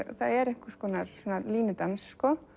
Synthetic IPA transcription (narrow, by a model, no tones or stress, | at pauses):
θaðɛɾɛhkʏskɔːnaɾsɔːnaliːnʏt̪ansːkɔ